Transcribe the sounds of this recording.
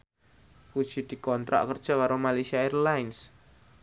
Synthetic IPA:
kud̥ʒ̥i̤d̪̥i̤kɔnt̪ɾa̰ʔkərd̥ʒ̥a̤kaɾomalasiaɛrlains

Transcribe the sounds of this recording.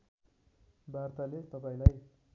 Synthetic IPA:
bʱart̪alet̪ʌpãĩlaj

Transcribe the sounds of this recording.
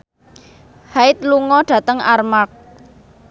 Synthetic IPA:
haɪt̪̚luŋɔɖ̥ä̤t̪əŋarmak̚

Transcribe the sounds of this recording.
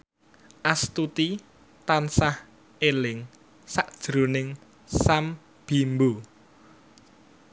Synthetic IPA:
ʔast̪ut̪i | t̪ansah | elɪŋ | saʔd̥ʒ̥ɾo̤nɪŋ | sam | b̥i̤mbo

